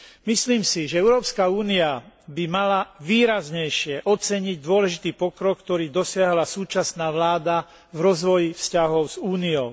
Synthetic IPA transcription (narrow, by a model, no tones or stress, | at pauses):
misliːmsiʒɛɛʊɾɔːpskauːniabimalaʋiːɾazɲɛjʃɪɛʔɔt͡sɛɲiɟd̪ʊɔlɛʒit̪iːpɔkɾɔkkːt̪ɔɾiːd̪ɔsɪaɦlasuːt͡ʃasnaːʋlaːd̪a | vɾɔzʋɔjifscaɦɔʊzuːniɔʊ